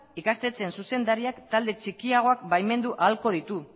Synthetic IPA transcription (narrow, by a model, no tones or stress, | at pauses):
ikast̪e̞t͡se̞nsuse̞nd̪aɾiakt̪ald̪e̞t͡ʃikiaɣ̞o̞akbajme̞nd̪uʔalko̞ð̞it̪u